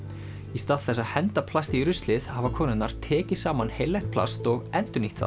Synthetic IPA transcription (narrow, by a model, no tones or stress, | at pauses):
ist̪aːðθɛsːaðhɛnt̪apʰlast̪ɪiɾʏst̪lɪðhavakʰɔːnʏt̪naɾ̥t̪ʰɛːcɪ̥saːmanhejlːɛjht̪̚pʰla̰st̪ɔɣɛnt̪ʏniht̪θa̰